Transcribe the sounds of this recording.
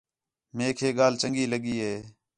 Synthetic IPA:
meːkʰeːɠaːlt͡ʃəŋɡiːləɠiːɦeː

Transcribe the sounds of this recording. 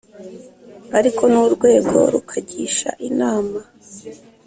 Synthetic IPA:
aɾikʰo̞nuːɾɡwe̞ːɡo̞̰ɾukʰaɟiʃa̰ʔinaːma

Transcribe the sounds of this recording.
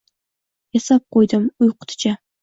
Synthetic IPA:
jesap̚qʰojd̪ɪmʊjqʰʊ̥t̪ʰɪ̥t͡ʃʰa

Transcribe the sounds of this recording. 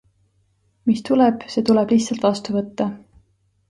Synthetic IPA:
mist̪ulɛb̥se̞ːt̪ulɛb̥liçt̪sɑlt̪vɑst̪uvɤt̪ːɑ

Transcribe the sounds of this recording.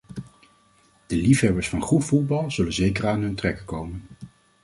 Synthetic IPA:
d̥əlifɦɛbəɹsfɑnχutvud̚bɑlˠzɵlənzejkəraːnɦɵntrɛkəkowmən

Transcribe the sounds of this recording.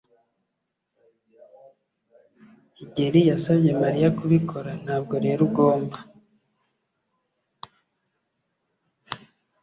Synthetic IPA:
ciɟe̞ɾijasabɟe̞maɾijakuβikʰo̞ɾan̥haːb̚ɡo̞ɾe̞ɾuɡo̞ːmba

